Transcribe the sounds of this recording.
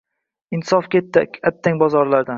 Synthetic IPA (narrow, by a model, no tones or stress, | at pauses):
ɪnt̪sɒfkʲʰet̪ːakʲat̪ʰːaŋʲbɒzɒɾlaɾd̪an